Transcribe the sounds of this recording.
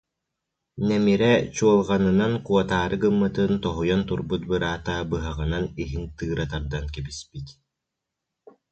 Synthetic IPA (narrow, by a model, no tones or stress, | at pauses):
nɛmiɾɛt͡ɕuɔlˠʁanɯnankuɔt̪aːɾɯkɯmːɯt̪ɯnt̪ɔɦujɔnt̪uɾbut̪̚bɯɾaːt̪aːbɯɦaʁɯnaniɦint̪ɯːɾat̪aɾd̪ankibispit̪